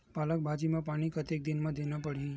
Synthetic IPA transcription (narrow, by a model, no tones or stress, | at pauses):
palək̚bʱad͡ʒimãpaɽ̃ikət̪ek̚d̪inmãd̪ʱenapəɽi